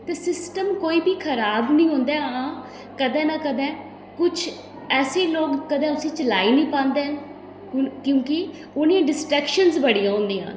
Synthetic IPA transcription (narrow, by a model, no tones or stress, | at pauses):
t̪eːsɪsʈəmkoːiːbiːkʰəɾaːbnĩːɦõːnd̪aːãː | kəd̪ɛ̃ːnaːkəd̪ɛ̃ː | kʊt͡ʃʰ | ɛːseːloːɡːəd̪ɛ̃ːʊsĩːt͡ʃəlaːiːnĩːpãːnd̪eːɦən | kjõːkɪ | ʊnẽɖɪsʈɾɛːkʃənzbəɽijãːɦõːnd̪iːã̰ːn